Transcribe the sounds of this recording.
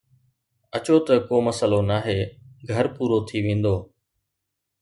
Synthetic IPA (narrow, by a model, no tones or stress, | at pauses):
ɐt͡ɕot̪ɐkoːmɐsəlonaːɦeːɡʱɐɾpuːɾot̪ʰiʋẽːn̆d̪oː